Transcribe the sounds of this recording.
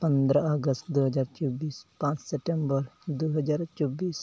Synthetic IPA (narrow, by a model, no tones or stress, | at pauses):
pə̃nd̪ɾaəɡəsʈd̪uɦɐd͡ʒaɾt͡ʃobiːspãːt͡ʃsɛpʈẽmbəɾd̪uɦɐd͡ʒaːɾt͡ʃobiːs